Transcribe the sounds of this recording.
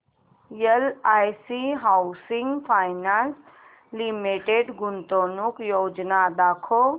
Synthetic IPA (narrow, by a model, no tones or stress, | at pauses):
jeəlaːjsiɦausiŋɡpʰaːjnans | limeʈeɖɡʊnt̪oːnukjoːd͡ʒnad̪aːkʰo